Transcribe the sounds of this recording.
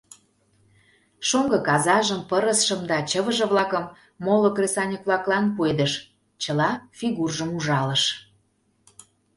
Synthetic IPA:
ʃoŋɡɤ̆kɑzɑʒəmpəɾəsʃəmd̪ɑt͡ɕəβə̆ʒə̆βlɑkəmː | olokresɑnʲəkβlɑklɑnpued̪əʃ | t͡ɕəlɑfiɣurʒəmuʒɑlə̆ʃ

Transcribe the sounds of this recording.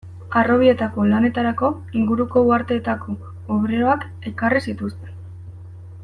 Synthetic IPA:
aro̞β̞ie̞t̪ako̞lane̞t̪aɾako̞ | iŋɡuɾuko̞uaɾt̪e̞ːt̪akʰo̞ː | βɾeoak | e̞karisit̪ust̪e̞n

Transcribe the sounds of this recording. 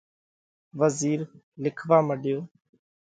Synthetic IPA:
ʋəziːɾ | lɪkʰʋaːməɖɪjoː

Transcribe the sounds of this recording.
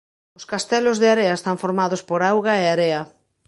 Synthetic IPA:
ʊskast̪ɛlʊzðɪaɾeɐest̪aɱfoɾmaðospoɾawɣaeaɾeɐ

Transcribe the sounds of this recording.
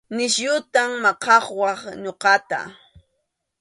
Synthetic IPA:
nɪʃʎʊt̪aŋmɑqɑχwɑχɲoqɑt̪a̰

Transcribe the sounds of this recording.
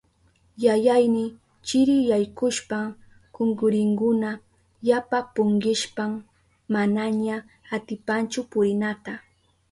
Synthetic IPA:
jajajnɪ | t͡ʃɪɾɪjajkʊʃpa | koŋɡʊɾɪŋkʊna | japapʊŋɢɪʃpam | manaɲa | at̪ɪpant͡ʃʊpʊɾɪnat̪a

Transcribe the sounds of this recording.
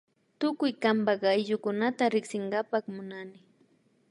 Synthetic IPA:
t̪ʊkʊjkambɑɢajʎʊkʊnat̪aɾɪksɪŋɡapɑχmʊnanɪ

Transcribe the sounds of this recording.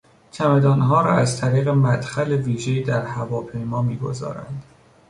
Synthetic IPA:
cʰæmed̪ɒːnɦɒːɾɒ̰ːæzt̪ʰæɾiːɣemæd̪xæleviːʒeiːd̪æɾhævɒːpʰe̞jmɒːmiːɡo̞̰zɒ̰ːɾæ̰nd̪̥

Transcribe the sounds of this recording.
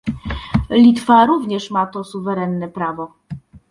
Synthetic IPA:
lʲit̪faɾuvɲɛʂmat̪ɔsuvɛɾɛnːɛpɾavɔ

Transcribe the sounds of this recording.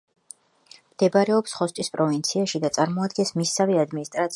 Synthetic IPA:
md̪̥ɛbaɾɛɔpsχɔst̪ʼispʼɾɔvint̪sʰiaʃid̪at̪sʼaɾmɔad̪ɡɛnsmisaviad̪minist̪ʼɾat̪s

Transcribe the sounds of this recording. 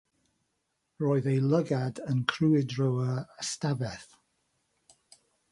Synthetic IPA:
rɔːɨðejlˠəɡadənkʰruːɪdɹowəəstavɛθ

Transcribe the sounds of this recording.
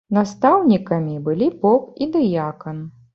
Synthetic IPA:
nast̪awnʲikɐmʲibɨlʲipɔpid̪ɨjakɐn

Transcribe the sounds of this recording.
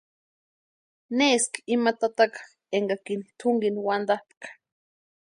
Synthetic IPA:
neskimat̪at̪akḁ | eŋɡakint̪ʰuŋɡinwand̪ahp̪kḁ

